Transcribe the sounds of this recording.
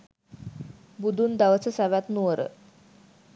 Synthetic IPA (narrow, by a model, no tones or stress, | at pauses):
bud̪ʱund̪aʋət͡səsaʋat̪nuʋəɾʔə̰